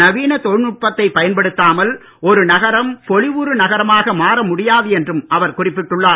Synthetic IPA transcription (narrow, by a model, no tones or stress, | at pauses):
nɐʋiːnɐt̪ɔɻnʊʈ̚pɐt̪ːɐɪpɐjɐnpɐɽɯt̪ːaːmɐl | ɔɾɯnɐɣɐɾɐmpɔɭɪʋuɾɯnɐɣɐɾɐmaːɣɐmaːɾɐmʊɽɪjaːðɯɛndrɯmɐʋɐɾkʊrɪpːɪʈːɯɭːaː